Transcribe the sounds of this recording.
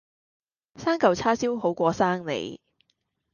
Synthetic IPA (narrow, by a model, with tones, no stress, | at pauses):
saː˥ŋkɐ˨˧wt͡sʰaː˥siː˥who˨˥wkʷɔː˧saː˥ŋlḛ˨˩j